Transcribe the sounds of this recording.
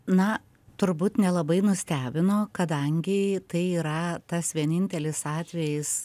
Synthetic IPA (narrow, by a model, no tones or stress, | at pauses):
nɐ | t̪ʊɾbuːt̪nʲɛlˠɐbɐɪnʊsʲt̪ʲæːbʲɪnoːkɐd̪ɐŋʲɡʲɪt̪ɐɪiːɾɐt̪ɐsʋʲiɛnʲɪnʲt̪ʲɛlʲɪsɑːt̪ʲʋʲɛjɪs